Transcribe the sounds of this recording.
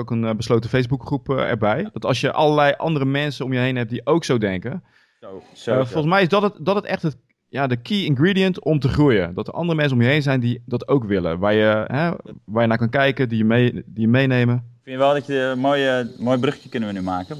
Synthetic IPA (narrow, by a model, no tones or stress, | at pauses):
owkənbəsloːtəfejsbukχrupɛ̰ɹbɛjd̥ɔtɑlˠsjəʔɑ̰lˠəlɛjʔɑ̰ndərəmɛnsəomjəɦejnɦɛp̚diʔowksowdɛŋkə | folˠs̬mɛjɪsdɔttdɔtətɛxtə | jadəkʰiːɪnɡriːdijəntɔmtəχrujə̰dɔtərʔɑ̰ndərəmɛnsəomjəɦejnzɛjndidɔtowkʋɪlə̰ʋaːɹjəɦɛʋaːrjənaːkɑnkɛjkədijəmedijəmejnejməfɪnjəʋɛlˠdɔtəmoːjmoːjbrøxjəkʏnənʋənymaːkə